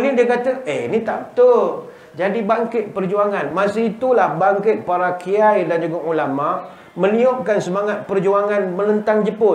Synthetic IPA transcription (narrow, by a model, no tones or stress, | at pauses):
nidiəkat̪aʔeinit̪aʔt̪ə | d͡ʒadibaŋkɪt̪̚pərd͡ʒuaŋanmasəit̪ulahbaŋkɪt̪̚paɾakʰiajdand͡ʒuɡaʔulamaʔ | mə̃niɔʔ̚kansəmaŋat̪̚pərd͡ʒuaŋanmənənt̪aŋd͡ʒəpʊ